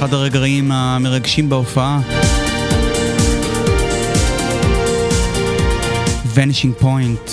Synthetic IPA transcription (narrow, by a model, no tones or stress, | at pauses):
adaʁeɡʁaimame̞ʁaɡʃimbeofaʔa | veneʃiŋpo̞jnt